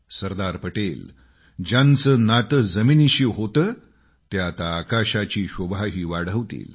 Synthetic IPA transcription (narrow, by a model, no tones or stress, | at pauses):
səɾd̪aɾpəʈel | d͡ʑãnt͡səːnat̪əd͡zəminiɕiɦot̪əː | t̪jat̪aːkaɕat͡ɕiːɕobʱaɦiːʋaɽ̤əʋt̪ḭːl